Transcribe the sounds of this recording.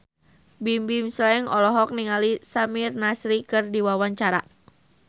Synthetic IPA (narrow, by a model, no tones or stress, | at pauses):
bimbimslɛŋɔlɔɦɔk̚niŋalisamirnasɾikɨrdiwawaɲt͡ʃaɾa̰